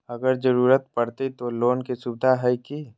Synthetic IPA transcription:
ɐɡəɾd͡ʒəɾuːɾət̪pɐɽt̪it̪oloːnkisubd̪ʱaɦɛki

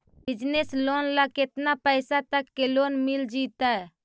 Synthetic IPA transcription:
bid͡ʒneslonlaket̪napəɪsat̪əkːelonmild͡ʒit̪ə

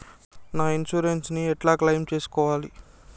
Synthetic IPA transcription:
naːinʃuːɾensniɛʈlaːklɐjmt͡ʃe̞ːsu̥kɔːʋaːli

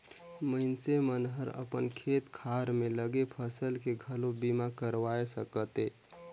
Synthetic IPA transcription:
məɪnsemənɦəɾə̰pənkʰet̪kʰaɾmẽləɡepʰəsəlkeɡʱəlobimakəɾʋaesəkət̪e

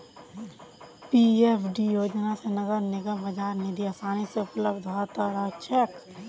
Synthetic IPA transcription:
piepʰɖijoːd͡ʒnasenɐɡəɾnɪɡəmbɐd͡ʒaːɾnid̪iɐsaːniseʊpləbd̪ʱt̪əɾət͡ʃʰek

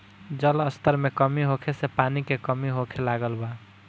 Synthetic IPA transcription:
d͡ʒələst̪ʰəɾmekəmiɦokʰesepanikekəmiɦokʰelaɡəlba

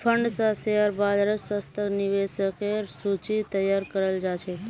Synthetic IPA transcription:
fʰəɳɖsaseəɾbad̪ɾəst̪əst̪əkniʋesəkeɾsut͡ʃit̪əjːaɾkəɾəld͡ʒat͡ʃʰe

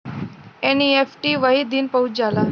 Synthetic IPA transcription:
eniefʈiːʋaɦiːd̪iːnpəɦut͡sd͡zala

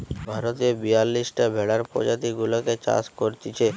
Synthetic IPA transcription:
bʱaɾot̪iobijalːisʈebʱeɭaɾpɔ̰d͡ʒat̪iɡuloket͡ʃa̰skoɾt̪it͡ʃʰe

